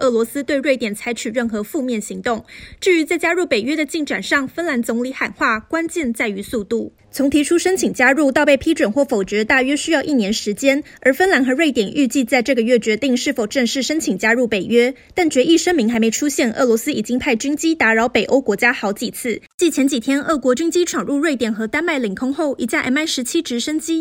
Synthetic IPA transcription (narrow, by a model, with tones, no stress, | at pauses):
ʔɤ˥˩lwɔ˧˥sɹ̩˥t̪we˥˧ɪɻe˥˩ɪt̪jɛ˨˩nt͡sʰa˧˥ɪt͡ɕʰy˨˩ɻə˥˩nxɤ˧˥fu˥˧mjɛ˥˩nɕi˧˥ŋt̪ʊ˥˩ŋʈ͡ʂɻ̩˥˩y˧˥t͡sa˥˩ɪt͡ɕja˥ɻu˥˩pe˨˩ɥɛ˥d̪ə˨t͡ɕi˥˩ŋʈ͡ʂa˨˩nʂɑ˥˩ŋfə˥nla˧˥nt͡sʊ˧˥ŋli˧˥xa˨˩nxwa˥˩kwa˥nt͡ɕjɛ˥˧nt͡sa˥˩ɪy˧˥su˥˧t̪u˥˩ | t͡sʰʊ˧˥ŋt̪ʰi˧˥ʈ͡ʂʰu˥ʂə˥nt͡ɕʰi˨˩ŋt͡ɕja˥ɻu˥˧t̪ɑ˥˧pe˥˩ɪpʰi˥ʈ͡ʂwə˨˩nxwɔ˥˩fo˨˩ʊʈ͡ʂə˧˥t̪a˥˩ɥɛ˥ɕy˥jɑ˥˧ʊʔi˥˩njɛ˧˥nʂɻ̩˧˥t͡ɕjɛ˥n | ə˞˨˧˥fə˥nla˧˥nxɤ˧˥ɻwe˥˩ɪt̪jɛ˨˩nʔy˥˧t͡ɕi˥˧t͡sa˥˧ɪʈ͡ʂɤ˥˩ɡə˩ɥɛ˥˩t͡ɕɥɛ˧˥t̪i˥˧ŋʂɻ̩˥˩fo˨˩ʊʈ͡ʂə˥˧ŋʂɻ̩˥˩ʂə˥nt͡ɕʰi˨˩ŋt͡ɕja˥ɻu˥˩pe˨˩ɪɥɛ˥t̪a˥˩nt͡ɕɥɛ˧˥ʔi˥˩ʂə˥ŋmi˧˥ŋxa˧˥ɪme˧˥ɪʈ͡ʂʰu˥ɕjɛ˥˩nʔɤ̰˥˩lwɔ˧˥sɹ̩˥i˨˩t͡ɕi˥ŋpʰa˥˩ɪt͡ɕy˥ŋt͡ɕi˥t̪a˧˥ɻɑ˧˥ʊpe˨˩ɪʔo˥ʊkwɔ˧˥t͡ɕja˥xɑ˧˥ʊt͡ɕi˨˩t͡sʰɹ̩˥˩t͡ɕi˥˩t͡ɕʰjɛ˧˥nt͡ɕi˨˩t̪ʰjɛ˥nʔə˥˩kwɔ˧˥t͡ɕy˥ŋt͡ɕi˥ʈ͡ʂʰwɑ˨˩ŋɻu˥˧ɻwe˥˩ɪt̪jɛ˨˩nxɤ˧˥t̪a˥nma˥˩ɪli˨˩ŋkʰʊ˥ŋxo˥˩ʊʔḭ˨˩t͡ɕja˥˩ʔa̰˥˩ma˥˩ɪʂɻ̩˧˥t͡ɕʰi˥ʈ͡ʂɻ̩˧˥ʂə˥nt͡ɕi˥